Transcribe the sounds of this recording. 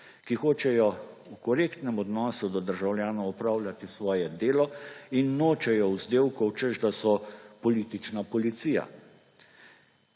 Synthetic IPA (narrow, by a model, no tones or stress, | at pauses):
kixoːt͡ʃɛjɔukɔɾeːkt̪nɛmɔd̪nɔːsud̪ɔd̪əɾʒawljaːnɔwɔpɾaːwlʲjʲat̪isʋɔːjɛd̪eːlɔinːoːt͡ʃɛjɔwzd̪eːwkɔwt͡ʃəʒd̪asɔpɔliːt̪it͡ʃnapɔlit̪sija̰